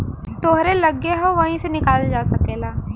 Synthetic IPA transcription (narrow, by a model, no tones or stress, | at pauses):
t̪oɦɾelɐɡeɦõʋɐɦĩsenɪkaːld͡ʒaːsɐkeːlaː